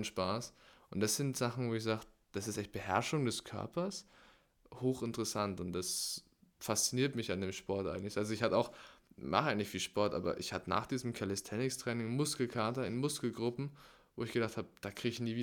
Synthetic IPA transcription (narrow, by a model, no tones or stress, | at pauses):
nʃpaːsʔʊntd̥asz̥ɪntz̥aχn̩voːɪçz̥aːχtə | d̥asɪstʔɛçt̚b̥əhɛɐʃʊŋdɛskʰœ̰ɐpɐs | hoːxɪntəʁəsantʊntd̥as | fast͡siniːɐtmɪçandeːmʃpɔɐtʔa̰ɪɡŋ̩tlɪçalzoɪçhatəaʊxmaχəʔaɪɡŋ̩tlɪçfiːlʃpɔɐtʔa̰ːbɐ̰ʔɪ̰çhatəna̰ːχd̥iːzəm̩kʰalɛstʰɛnɪkstʁ̥ɛːnɪŋmʊskl̩kʰaɐtɐɪnmʊskl̩ɡʁʊpm̩ | voːɪçɡ̥ədaχthaːbəd̥aːkʁ̥iːɡɪçniːviː